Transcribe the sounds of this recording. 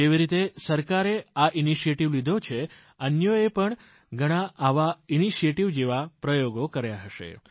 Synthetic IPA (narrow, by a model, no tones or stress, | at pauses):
eʋiɾit̪esəɾkaɾeaʔiniʃieʈiʋlid̪ʱot͡ʃʰe | ənjəepəɳ | ɡʱəɽ̃ãʔaʋainiʃieʈiʋd͡ʒeʋapɾəjoɡokəɾjaɦəʃḛ